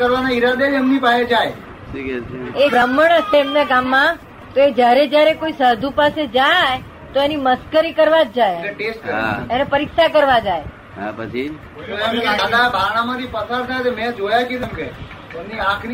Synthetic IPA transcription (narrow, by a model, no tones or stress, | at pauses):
əɾʋanaiɾad̪ed͡ʒɛmnipaed͡ʒaj | ʃikɛt͡ʃʰeebɾəmːəɳ̃əseɛmnaɡamːã | t̪oed͡ʒjaɾed͡ʒjaɾekoisad̪ʱupased͡ʒaj | t̪oeniməskəɾikəɾʋad͡ʒd͡ʒajeʈesʈ̚kəɾa̰enepəɾɪksakəɾʋad͡ʒaj | ɦa̰pət͡ʃʰi | t̪oɛmad̪abʱaɽ̃ãmãt̪ʰipəsaɾt̪ʰajt̪emɛ̃d͡ʒojaket̪emke | ɛmniakʰɾi